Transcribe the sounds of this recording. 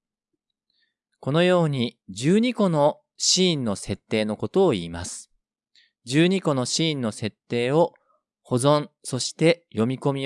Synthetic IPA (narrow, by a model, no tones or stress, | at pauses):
ko̞no̞jo̞ːɲ̟id͡ʑɨːɲ̟iko̞no̞ | ɕĩːnːo̞se̞t̪ːe̞ːno̞ko̞t̪o̞ːiːmasɨ̥ | d͡ʑɨːɲ̟iko̞no̞ɕĩːnːo̞se̞t̪ːe̞ːo̞ | ho̞zõ̞ñso̞ɕi̥t̪e̞jo̞mʲiko̞mʲi